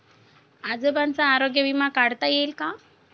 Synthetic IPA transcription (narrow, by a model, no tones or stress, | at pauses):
ad͡zəbant͡saːɾoɡjəʋimakaɽt̪ajelka